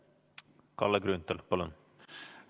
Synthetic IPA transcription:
kʰɑ̰ləɡɾʉnt̪əlpʰoːlœ̰n

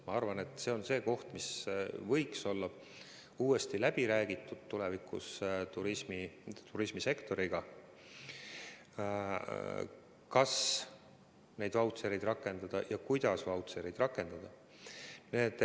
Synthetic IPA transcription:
mɑɑrvɑne̞t̪ːˑse̞o̞nse̞ːko̞ht̪misvɤ̞jkso̞lːɑ | uːe̞st̪ilæb̥iɾæːɡ̥it̪ːˑud̪̥̚t̪ːule̞vikˑṵst̪uɾismit̪uɾismise̞kt̪o̞ɾiɡ̥ɑ | kɑs | ne̞jd̪vɑwt̪seɾejd̪rɑkːˑe̞nd̪̥ɑd̪̥ɑjɑkujd̪̥ɑsvɑwt̪seɾejd̪̥rɑkːˑe̞nd̪̥ɑd̪ɑ | neet̪

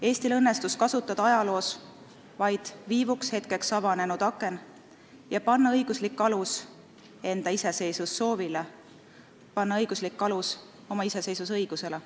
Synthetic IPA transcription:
e̞ːsʲt̪ilɤnːe̞st̪uskɑsut̪ːˑɑd̪̥ɑɑjɑlo̞ːs | vɑjd̪̥viːvukshe̞t̪̚ke̞ksɑvɑne̞nud̪̥ɑkːˑe̞n | jɑpɑnːɑɤjɡ̥uslikːɑlus | e̞nd̪̥ɑise̞se̞jsusːo̞ːvile | pɑnːɑɤjɡ̥uslikːˑɑlus | o̞mɑise̞se̞jsusɤjɡ̥use̞le

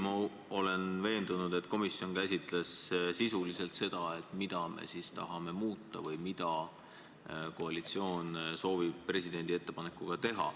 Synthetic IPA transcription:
mɑ | o̞le̞nve̞ːnd̪unud̪̥e̞t̪ːˑko̞misjo̞nkæsʲit̪ˑlessisulise̞lt̪se̞d̪̥ɑe̞t̪ːˑmid̪̥ɑme̞̰sist̪ɑ̰ɦɑme̞muːt̪ˑːɑvɯjmid̪̥ɑ | ko̞ɑlit̪sio̞ːnso̞ːvib̥̚pre̞sʲid̪e̞nʲd̪ie̞t̪ːˑe̞pɑne̞kːˑuɡ̥ɑt̪e̞ɦɑ̰

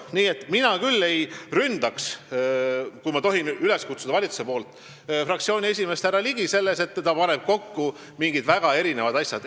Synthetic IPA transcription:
niːe̞t̪ːminɑkylːe̞jrynd̪̥ɑks | kujmɑt̪o̞ɦinyle̞skut̪su̥d̪ɑvɑlʲit̪su̥sepo̞ːlt̪ːˑ | frɑkt̪sio̞ːnʲie̞s̬ʲime̞st̪æɾɑliɡ̥ise̞lːe̞se̞t̪ˑːɑpɑneb̥̚ko̞kːu | miŋɡ̥id̪̥væɡ̥ɑe̞ɾine̞vɑd̪̥ɑsʲjɑd̪̥

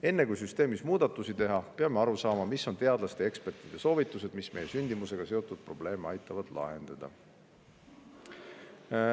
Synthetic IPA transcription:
e̞nːe̞kujsyst̪eːmismuːd̪̥ɑt̪ːˑusit̪e̞ɦɑpeɑme̞ɑɾusɑːmɑmisːo̞nt̪e̞ɑd̪lɑst̪e̞e̞kspe̞rt̪ːˑid̪̥e̞so̞ːvit̪ːˑuse̞d̪̥misme̞jesynʲd̪̥imuse̞ɡ̥ɑse̞o̞t̪ːˑud̪̥̚pro̞b̥le̞ːmeɑjt̪ːˑɑvɑd̪̥lɑ̰ɦe̞nd̪̥ɑd̪̥ɑ̰

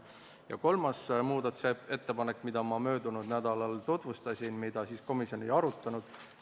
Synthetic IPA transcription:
jɑ̰ko̞lmɑsmuːd̪ɑt̪usee̞t̪ːe̞pɑnekːˑmid̪̥ɑmɑmø̞ːd̪unud̪̥næd̪̥ɑlɑlt̪ut̪ˑvust̪ɑsʲinmid̪̥ɑsiːsko̞misjo̞nejɑɾut̪ːˑɑnud̪̥

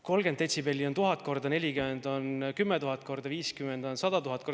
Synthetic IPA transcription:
ko̞lɡed̪et̪ʲsibelʲːio̞nt̪uɦɑt̪̚ːˑko̞rd̪ɑne̞lʲikymend̪̥o̞nkymːɛt̪uɦɑt̪̚ːˑko̞rd̪̥ɑviːskymend̪̥o̞nsɑd̪ɑt̪uɦɑt̪̚ːˑko

